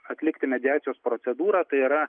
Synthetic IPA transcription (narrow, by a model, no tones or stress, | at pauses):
ɐt̪ʲlʲɪkt̪ʲɪmʲɛd̪ʲɪjæːt̪sʲɪjoːspɾosʲɛd̪uːɾɑːt̪ɐɪiːɾɐ